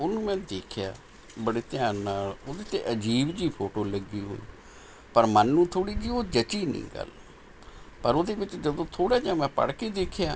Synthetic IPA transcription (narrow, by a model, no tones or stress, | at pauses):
oːnũːmɛ̃ːd̪eːkʰɪja̰ː | bəɽeːt̪ɪjaːnnaːloːd̪eːt̪ḛːʔəd͡ʒiːbd͡ʒiːpʰoːʈoːləɡːiːɦo̰ːḭː | pəɾmənːũːt̪ʰoːɽiːd͡ʒiːoːd͡ʒət͡ʃiːnḭ̃ːɡə̰l | pəɾoːd̪eːʋɪt͡ʃd͡ʒəd̪õːt̪ʰoːɽaːd͡ʒãːmɛ̃ːpə̰ɽkeːd̪eːkʰjaː